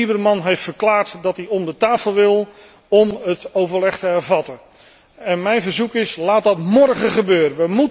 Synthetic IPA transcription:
ibərmɑnɦejftfəɹklaːɹtdɑtiɔmdətaːfəl̩ˠʋɪlˠ | ɔmɦətowvəɹlɛχtəɦɛɹvɑtən | ɛnmɛjnvəɹzukɪslaːt̚dɑtmɔɹχəχəbøːɾənʋəmu

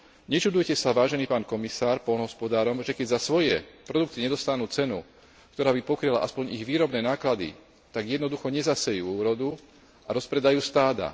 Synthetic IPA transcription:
ɲɛt͡ʃud̪ujcɛsaʋaːʒɛniːpaːnkɔmisaːɾpɔlnɦɔspɔd̪aːɾɔmʒɛkɛɟzasʋɔjɛpɾɔd̪ukt̪iɲɛd̪ɔst̪anuːt͡sɛnu | kt̪ɔɾaːbipɔkɾila̰ʔaspɔɲiɣʋiːɾɔbnɛːnaːklad̪ḭ | t̪aɡjɛd̪nɔd̪uxɔɲɛzasɛjuːuːɾɔd̪u | aɾɔspɾɛd̪ajuːst̪aːd̪a̰

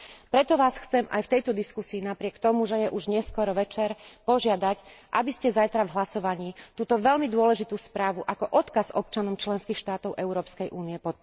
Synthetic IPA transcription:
pɾɛt̪ɔʋaːsxt͡sɛmʔa̰jft̪ɛjt̪ɔd̪iskusiːnapɾɪɛkt̪ɔmuʒɛjɛʔuʒɲɛskɔɾɔʋɛt͡ʃɛɾpɔʒɪad̪acʔabiscɛzajt̪ɾavɦlasɔʋaɲiːt̪uːt̪ɔʋɛlmid̪ʊɔlɛʒit̪uːspɾaːʋuʔakɔʔɔt̪kazɔp̚t͡ʃanɔmt͡ʃlɛnskiːxʃt̪aːt̪ɔʊʔɛʊɾɔːpskɛjʔuːniɛpɔt̪̚

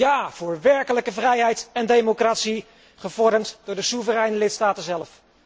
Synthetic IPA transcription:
jaːv̥ʊːɹʋɛɹkələkəvrɛjɦɛjtɛndejmokratsi | χəvɔɹdəmtdʊːɹdəsuvərɛjnəlɪtstaːtənzɛlf

